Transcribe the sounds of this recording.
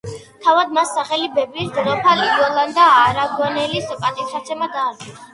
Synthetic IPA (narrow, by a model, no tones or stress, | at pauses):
t̪ʰavad̪̚masːaχɛlibɛbid̪ɾɔpʰalid̪ɔlˠand̪aːɾaɡɔnɛlisɔpʼat̪ʼissʰat̪sʰɛmad̪aːɾɡɔa